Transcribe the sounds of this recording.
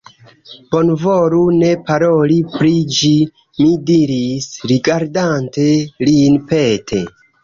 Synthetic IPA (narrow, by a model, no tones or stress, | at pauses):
b̥o̞nvoɾune̞paɾolipɾid͡ʒi | midiɾisɾiɡaɾdante̞linpetʰe